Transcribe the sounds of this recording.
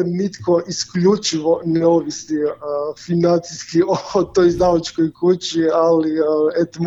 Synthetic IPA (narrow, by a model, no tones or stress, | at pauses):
nit̪kʰoʔisklʎut͡ʃiʋonɛoʋisifinant̪siskiot̪ojzd̪aʋat͡ʃkojkʰut͡ɕialiet̪om